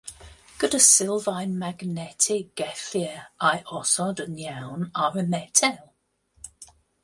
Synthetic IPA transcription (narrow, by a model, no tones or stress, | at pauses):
ɡ̥ʊdəsɪlˠvãɪnmaɡnɛtʰɪɡ̥ɛθiəʔaɪʔɔsɔdənjalˠnaɹəmɛtʰɛlˠ